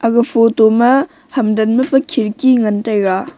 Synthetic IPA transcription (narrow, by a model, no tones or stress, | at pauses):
ʔɐɡɐpʰotomɐ | hɐmdɐnmɐpɐkʰiɾkiŋɐntajɾa